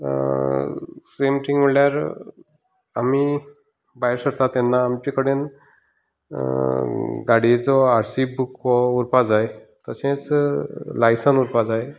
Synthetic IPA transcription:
semʈʰĩŋɡm̤əɭljaɾ | ami | bajɾsəɾt̪at̪ːɛnːaːmt͡ɕikəɽen | ɡaɽid͡zɔaɾsibukɔuɾpad͡zajt̪əsẽt͡s | lajsənuɾpad͡zaj

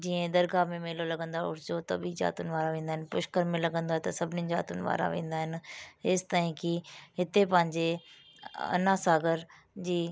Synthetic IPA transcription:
d͡ʑiːə̃d̪ɐɾɡamẽmeːlolɐɡə̃nd̪aʊ̰ɾɪd͡ʑot̪ɐ̰biza̰ːt̪ʊnɪ̆ʋaːɾaʋẽːnd̪aːɦɪnɪpʊʃkəɾmẽlɐɠə̃nd̪oːɦet̪ɐsɐbʱɪnizaːt̪ʊnɪʋa̰ːɾa̰ʋḛ̃ːn̆d̪aːɦɪnɪ̆ɦɪːst̪aːĩkɪɦɪt̪epɐ̃ɦɪ̃ɲd͡ʑe | ɐ̰nasaːɡəɾ | d͡ʑiː

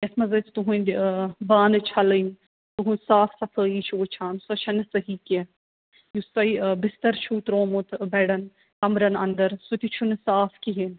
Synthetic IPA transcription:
jɐsmɐzɐt͡sʰt̪uɦũnd̪baːnɨt͡ʃʰɐlən | t̪uɦũsaːfsɐfʰəːjit͡ʃʰuʋɐt͡ʃʰaːnsɐt͡ʃʰɐnɨsɐɦike | just̪ɐibɪst̪ɐɾt͡ʃʰuːt̪ɾoːmut̪ʰbɛɽɐn | kɐmɾɐnɐnd̪ɐɾsut̪it͡ʃʰunɨsaːfkiɦen

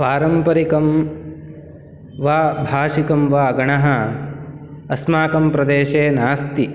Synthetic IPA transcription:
paːɾɐmpɐɾikɐm | ʋaːbʱaːʃikɐmʋaːɡɐɳɐɦɐ | ɐsmaːkɐmpɾɐd̪eːʃeːnaːst̪i

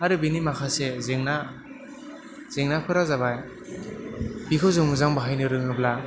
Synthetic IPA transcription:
aɾɯbinimakʰasezeŋna | z̥eŋnapʰɯɾazabaj | b̥ikʰɯwzɯŋɯzaŋbaɦajnɯɾɯŋɯbla

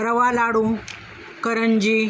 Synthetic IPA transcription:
ɾəʋalaɽu | kəɾəɲd͡ʑi

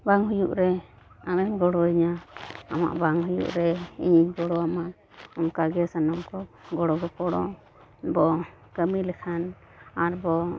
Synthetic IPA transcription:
baŋɦujuʔɾɛ | amɛmɡɔɽɔiɲaa̰ma̰ʔbaŋɦujṵʔɾɛḭɲiɡɔɽɔama | ɔmkaɡɛsanɔmkɔɡɔɽɔɡɔpɔɽɔ̰ | bɔ | kəmilɛkʰan | aɾbɔ

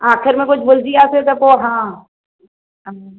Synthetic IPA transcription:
aːxʰɪɾmẽkʊt͡ʃʰbʊld͡ʒiaːset̪ɐpoɦãː

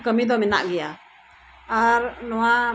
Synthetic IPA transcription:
kəmid̪ɔmɛna̰ʔɡɛja | aɾnɔwa

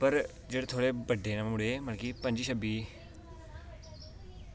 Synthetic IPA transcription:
pəɾ | d͡ʒeːɽeːt̪ʰoːɽeːbəɖeːnãmmʊɽeːməlkipə̃ɲd͡ʒiːʃəbiː

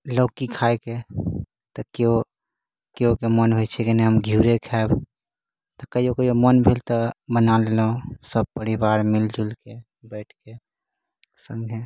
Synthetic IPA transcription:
ləːkikʰaeke | t̪ɔkeo | keokemənɦojt͡ʃʰɛkeneɦəmɡʱjuːɾekʰɛb | t̪ɔkəiokəiomənbʱelt̪ɔbənalelõsəb̚pəɾibaːɾmɪld͡ʒulke | bɛɪʈʰke | sə̃ŋɡʱe

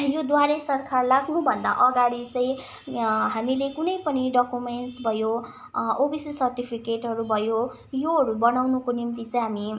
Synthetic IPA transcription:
jod̪waɾesʌrkʰarlaɡnubʱʌnd̪a̰ʔʌɡaɽit͡sʌ̃ĩ | ɦamilekunʌjpʌniɖʌkumenʈsbʱʌjo | obisisʌrʈipʰikeʈɦʌɾubʱʌjo | joɦʌɾubʌnawnukonimt̪it͡sʌj̃ɦami

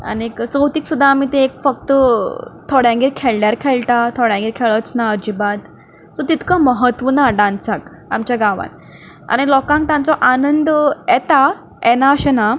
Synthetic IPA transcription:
a̰nekt͡sowt̪iːksud̪ʱːaːmit̪eːkfək̚t̪ət̪ʰɔɽjãɡiɾkʰɛlljaɾkʰɛlʈ̪at̪ʰɔɽjãɡiɾkʰɛɭət͡snaəɾd͡ʑibad̪ | sɔt̪it̪kaməɦət̪ʋənaɖãnt͡sak | a̰mt͡ɕjaɡaʋa̰n | a̰ñilɔkãŋk̚t̪ãnt͡sɔʔanənd̪jɛt̪a | ɛnaəɕɛna

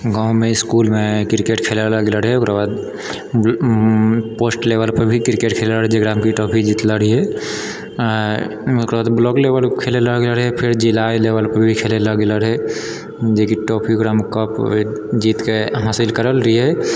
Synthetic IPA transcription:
ɡãːʊ̃mẽɪskuːlmẽkɪɾkeʈkʰelaləɡləɽɦɛʊkɾabaːd̪ | poːsʈleʋəlpəɾbʱikɪɾkeʈkʰelaɾɦd͡ʒeɡɾaːmkiʈɔːpʰid͡ʒiːt̪ləɾɦiɦɛ | ʊkɾbaːd̪blɔːklebəlkʰeːleləɡləɽɦɛpʰɪɾd͡ʒɪlaːleːʋəlpəɾbʱikʰeːleləɡeləɾɦɛ | d͡ʒekiʈɔːpʰiɡɾamkəpd͡ʒiːt̪keɦaːsɪlkəɾəlɾəɦiɦɛ

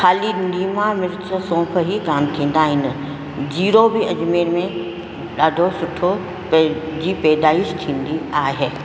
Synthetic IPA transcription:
xaːliniːmamɪɾsəsõːpʰəɦikaːmt̪ʰĩːn̆d̪aːɦɪnɪ̆ | d͡ʑiːɾobɪɐd͡ʑmeːɾmẽ | ɗaːɖʱosʊʈʰo | pd͡ʑiːpɛːd̪aːɪʃʈ̪ʰĩːn̆d̪iaːɦe

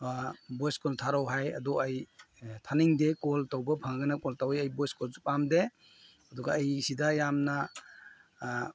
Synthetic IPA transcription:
bɔjskɔltʰaɾɔwɦajadɔaj | tʰaniŋdekɔltawbɐpʰaŋɡanakɔltawajajbɔjskɔlsupamdeː | dɔɡaːjsidajamna

